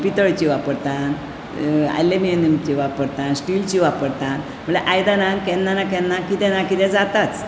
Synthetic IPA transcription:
pit̪əɭt͡ɕiʋapəɾt̪an | a̰jlemienːemt͡ɕiʋapəɾt̪ãnsʈilt͡ɕiʋapəɽt̪ãn | m̤əɭeʔajd̪anãnkɛ̃nːanakɛ̃nːakit̪ɛ̃nakit̪ɛ̃d͡zat̪at͡s

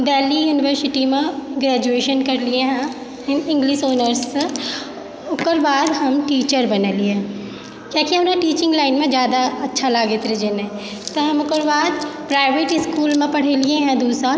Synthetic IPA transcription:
d̪ɛːlijuːnɪʋəɾsɪʈimẽɡɾɛːd͡ʒueːʃənkɐɾliẽɦɛ̃ | nɪ̃ŋɡlɪʃoːnəɾs | ʊkəɾbaːd̪ɦɐmʈiːt͡ʃəɾbɐneːliẽ | kjaːkiɦɐmnaʈiːt͡ʃɪ̃ŋɡlaːɪnmẽd͡ʒjaːd̪aɐtːʃʰalaːɡet̪ɾed͡ʒenẽ | t̪ɐɦɐmʊkəɾbaːd̪pɾaːɪʋeːʈɪskuːlmẽpɐɽ̤eliẽɦɛ̃d̪uːsɾa

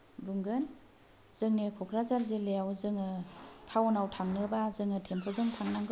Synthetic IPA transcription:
bɯŋɡɯn | z̥ɯŋnekʰɔkʰɾazaɾzelejawzɯŋɯtʰawnawtʰaŋnɯbazɯŋɯtʰempʰɔzɯŋtʰaŋnaŋɡɯ

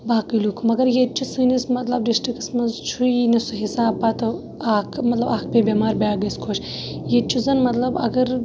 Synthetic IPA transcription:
baːkilukʰmɐɡɐɾjet̪̚t͡ʃʰusɨːnismɐt̪lɐb̚ɖisʈiksmɐnzt͡ʃʰuinisuɦisaːb̚pat̪ɨ | aːkʰmɐt̪lɐbaːk̚pʲebʲemaːɾbʲaːɡɐskʰoʃ | jet̪̚t͡ʃʰuzɐnmɐt̪lɐbɐ̰ɡɐɾ

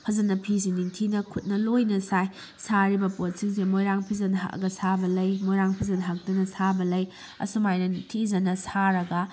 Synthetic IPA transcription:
pʰɐzɐnɐpʰis̬iniŋtʰinɐkʰut̚nɐlojnɐsaj | saɾibɐpot̚siŋsemojɾaŋpʰizɐnɐɦa̰kɡɐsabɐlɐjmojɾaŋpʰizɐnɦak̚dɐnɐsabɐlɐj | ɐ̰sumajnɐniŋtʰizɐnːɐsaɾɐɡɐ

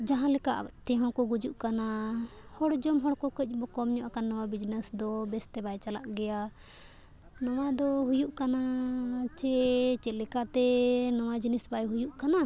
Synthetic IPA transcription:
d͡ʒaɦãlɛkaʔt̪ɛɦɔ̃kɔɡud͡ʒuʔkanahɔɽd͡ʒɔmɦɔɽkɔkəc̚ˀbɔkɔmɲɔʔakanːɔwabid͡ʒnɛsd̪ɔbɛst̪ɛbajt͡ʃalaʔɡɛja | nɔwad̪ɔɦujuʔkanat͡ʃɛt͡ʃɛlɛkat̪ɛnɔwad͡ʒinisbajɦujuʔkana

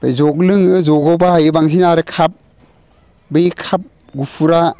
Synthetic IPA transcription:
bezɔk̚lɯŋɯzɔɡɔbahajɯbaŋs̬ʰinaɾɯkʰap̚ | bɯjikʰap̚ | ɡupʰuɾa

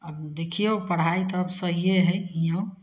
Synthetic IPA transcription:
əbd̪ekʰijopəɽ̤ait̪ɔəbsəɦijeɦəijõ

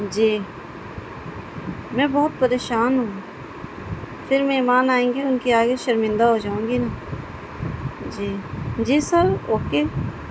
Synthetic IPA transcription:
d͡ʒiː | mɛ̃ːbɔːʊt̪̚pɐɾeːʃaːnɦũː | fʰɪɾmɛ̃imaːnaːẽːŋɡeʊnkiaːɡeʃəɾmɪ̃nd̪aɦod͡ʒaːũːŋɡina | d͡ʒiːd͡ʒiːsəɾoːkeː

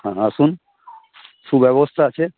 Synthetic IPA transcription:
ɦãaʃun | ʃubɛβost̪ʰaat͡ɕʰe

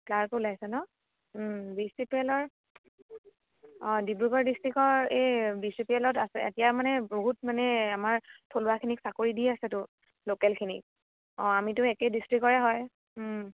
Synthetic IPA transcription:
plaɹkulajsɛnɔ | bisipiɛlɔɹ | ɔ̃dibɹukɔɹdistɹikɔɹebisipiɛlɔtasɛ̰ḛtijamanɛboɦut̚manɛamaɹtʰolwakʰiniksakoɹidiasɛtʊ | lokɛlkʰinḭk̚ | ɔ̃amitʊɛkɛdistɹikɔɹɛɦɔj

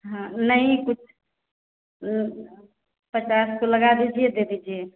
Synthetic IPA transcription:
ɦə̃nəĩkut͡ʃʰ | pət͡ʃaskoləɡad̪id͡ʒʰijɛd̪ed̪id͡ʒʰije

